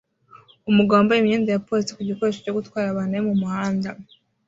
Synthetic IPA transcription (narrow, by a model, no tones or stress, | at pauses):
umuɡoːmbaimɲiːndajapo̞ːɾisi̥kuɟikoɾeʃeco̞ɡutwaːɾaβanemumuhaːnda